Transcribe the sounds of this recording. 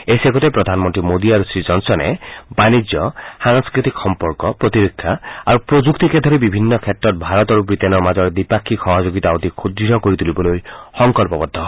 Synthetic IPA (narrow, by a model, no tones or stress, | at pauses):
eseɡɔt̪epɾɔd̪ʱanmɔnt̪ɾimod̪iaɾusɾid͡ʒɔnsɔnḛbanid͡ʒjɔsaŋskɾit̪ikxɔmpɔɾkɔpɾɔt̪iɾekʰːjaa̰ɾupɾod͡ʒukt̪iked̪ʱɔɾibibʱinːɔkʰet̪ɾɔt̪̚bʱaɾɔt̪ɔɾupɾit̪enɔmad͡ʒɔɾd̪ipakʰːixɔɦɔd͡ʒoɡit̪aot̪ikʰud̪ɾiɔkoɾit̪ʰulibɔlojhɔŋkɔlpɔbɔd̪ʱːɔ